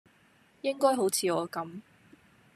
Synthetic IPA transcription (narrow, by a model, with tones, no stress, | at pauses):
jɪ˥ŋkɔː˥jɦo˨˥wt͡sʰiː˨˧ɔː˨˧kɐ˨˥m